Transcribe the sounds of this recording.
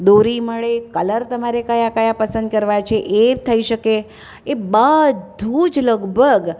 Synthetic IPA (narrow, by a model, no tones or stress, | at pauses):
d̪oɾiməɭekələɾt̪əmaɾekəjakəjapəsə̃nd̪kəɾʋat͡ʃʰeʔet̪ʰəiʃəke | ebəd̪ʱũd͡ʒləɡbʱəɡ